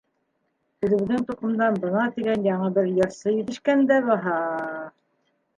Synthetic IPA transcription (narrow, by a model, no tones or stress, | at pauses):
hɘ̆ðɘ̆βɘ̆ðɘŋt̪uqɤ̆md̪ɑnbɤ̆nɑt̪iɡænjɑɴɤbɘɾjɤ̆ɾsɤjɵ̆θɘ̆ʃkænd̪æβɑɦɑ